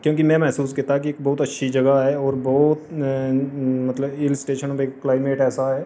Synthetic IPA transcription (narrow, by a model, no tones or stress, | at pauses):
kjõːkimɛ̃mɛɦsuːskɐɾt̪aɦkieːk̚bɔɦʊt̪ɐtːʃʰid͡ʒɐɡaɦɛːɔːɾbɔːt̪ | mɐt̪ləbɪlsʈeːʃənbeːkːlaːɪmeːʈɛːsaɦɛː